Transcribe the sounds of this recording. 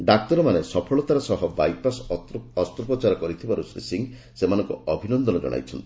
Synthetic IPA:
ɖak̚t̪ɔɾɔmanesɔpʰɔɭɔt̪aɾasɔɦɔbajpasɔst̪ɾɔpɔt͡ʃaɾɔkɔɾit̪ʰibaɾusɾḭsiŋ | semanɔŋkuɔbʱinɔnd̪ɔnɔd͡ʒɔ̰ɽ̃a̰jt͡ʃʰɔnt̪ii̥

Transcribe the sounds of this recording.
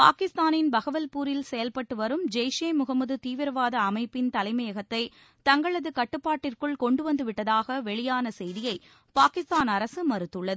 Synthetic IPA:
paːkɪst̪aːnɪnbɐɣɐʋɐlpuːɾɪlsɛjɐlpɐʈːɯʋɐɾɯmd͡ʒɛjʂeːmʊɣɐmɐðɯt̪iːʋɪɾɐʋaːðɐːmɐɪpːɪnt̪ɐlɐɪmɐjɐɣɐt̪ːɐɪ | t̪ɐŋɡɐɭɐðɯkɐʈːɯpːaːʈːɪrkɯɭkɔɳɖɯʋɐnd̪ɯʋɪʈːɐðaːɣɐʋɛɭɪjaːnɐsɛjðɪjɐɪ | paːkɪst̪aːnɐɾɐsɯmɐɾɯt̪ːɯɭːɐðɯ

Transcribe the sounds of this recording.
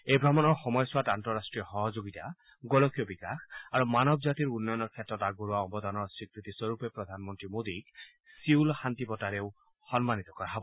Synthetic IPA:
ejbʱɾamɔnɔɾxɔmɔjɔswatantɔɾasʈɾijɔxɔɦɔd͡ʒoɡit̪a | ɡɔlɔkijɔbikaxaɾumanɔbɔd͡ʒat̪iɾunːɔjɔnɔɾkʰjet̪ɾɔt̪aɡoɾuaɔmbɔd̪ʱɔnɔɾsikɾit̪isɔɾupepɾɔd̪ʱanmɔnt̪ɾimod̪ik | siwlhant̪ipɔtaɾew | xɔnmanit̪ɔkɔɾaɦɔbɔ

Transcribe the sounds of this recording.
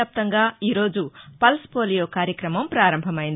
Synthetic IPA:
aːp̚t̪ɐŋɡaːiːɾo̞ːd͡ʒupɐlspoːlijoːkaːɾjɐkɾɐmɐmpɾaːɾɐmbʱɐmɐjind̪

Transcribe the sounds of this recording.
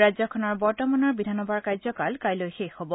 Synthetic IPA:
azɔkʰɔnɔɹbɔɹtɔmanɔɹbidʱanɔbʱaɹkajzɔkalkajlojxexhɔbɔ

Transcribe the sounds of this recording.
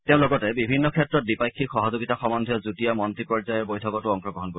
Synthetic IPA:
teʊ̃lɔɡɔtɛbibʱinːɔkʰɛtːɹɔt̚dipajkʰːixɔɦɔzoɡitaxɔmɔnd̪ʱiɔzutijamɔntɹipɔɹzajɔɹbojtʰɔkɔtʊɔŋkɹɔɡɔɦɔnko

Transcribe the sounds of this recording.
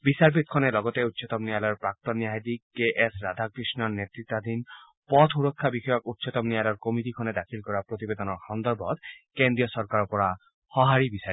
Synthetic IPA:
bisaɹpʰit̪̚kʰɔnɛlɔɡɔt̪eutːsʰɔt̪ɔmnijalɔɔɹpɹak̚t̪ɔnːijaɦid̪ikeʔesɹad̪ʱakɹisnɔɹnetɹit̪ːad̪ʱin | pɔt̪ʰuɹɔkʰːabixɔjɔkut̪ːsʰɔt̪ɔmnijalɔɔɹkomit̪ikʰɔnɛd̪akʰilkɔɹapɹot̪ibed̪ɔnɔɹxɔnd̪ɔɹbɔt̪̚kend̪ɹijɔsɔɹkaɹɔpɔɹa | hɔɦaɹibisai

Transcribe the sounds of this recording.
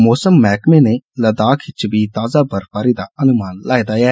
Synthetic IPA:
moːsəmːɛːkmẽːneːləd̪aːkʰɪt͡ʃbiːt̪aːzaːbəɾpaːɾiːd̪aːənʊmaːnlaːid̪aːjɛː

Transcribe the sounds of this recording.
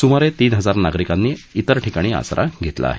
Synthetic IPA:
sumaɾet̪iːnɦəd͡zaɾnaɡɾikanːiːit̪əɾʈʰikaɽ̃iːa̰sɾʔa̰ɡʱet̪la̰ːɦe

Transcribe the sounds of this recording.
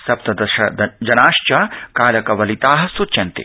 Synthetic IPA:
sɐp̚t̪ɐd̪ɐʃɐ̰d̪ɐd͡ʒɐnaːʃt͡ʃɐkaːlɐkɐʋɐlit̪aːɦɐsutt͡ʃɐnt̪ḛ

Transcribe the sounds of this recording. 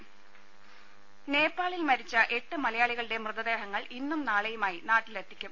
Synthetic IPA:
ne̞ːpːaːɭilmɐɾit͡ɕːɐʔe̞ʈːɨmɐlɐjaːɭiɣɐɭiɽe̞mrɨðɐd̪e̞ːɦɐŋːɐɭinːumnaːɭɐjumaːjinaːʈːilet̪ːikʲːum

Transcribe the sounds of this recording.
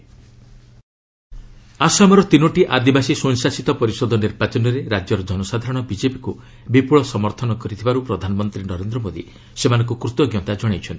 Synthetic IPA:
asamɔɾɔt̪inoʈiʔad̪ibasisuŋ̃sasit̪ɔpɔɾisɔd̪ʱɔniɾbat͡ʃɔnɔɾeɾad͡ʒjɔɾɔd͡ʒɔnɔsad̪ʱaɾɔɽ̃ɔbid͡ʒepi̥ku | bipuɭɔsɔmɔɾt̪ʰɔnɔkɔɾit̪ʰibaɾupɾɔd̪ʱanɔmɔnt̪ɾinɔɾend̪ɾɔmod̪ḭ | semanɔ̃ŋkukɾut̪ɔɡjɔt̪ad͡ʒɔɽ̃ajt͡ʃʰɔnt̪i

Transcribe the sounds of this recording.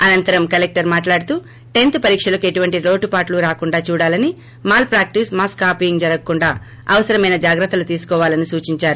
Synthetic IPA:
ɐnɐnt̪ɐɾɐmkɐlek̚ʈɐɾmaːʈlaːɽt̪uː | ʈe̞nt̪pɐɾiːkʂɐlɐkue̞ʈuʋɐɳʈiɾo̞ːʈupaːʈluɾaːkuɳɖaːt͡ʃuːɽaːlɐni | maːlpɾaːk̚ʈismaːskaːpijiŋɡd͡ʒɐɾɐkkːuɳɖaː | ɐ̰ʋɐsɐɾɐmɐjnɐd͡ʒaːɡɾɐt̪ːɐlut̪iːsu̥kɔːʋaːlɐnisuːt͡ʃiɲt͡ʃaːɾu

